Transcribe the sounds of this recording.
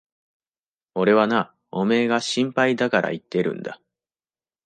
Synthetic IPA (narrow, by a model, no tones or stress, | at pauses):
o̞ɾe̞βana | o̞me̞ːɡaɕĩmpaid̪akaɾʔa̰it̪ːe̞ɾɯ̟̰̃nd̪a̰